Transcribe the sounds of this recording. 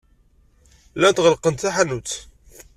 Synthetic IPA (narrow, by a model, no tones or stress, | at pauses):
læd̪ʁəlqənt̪θaħanut͡s̪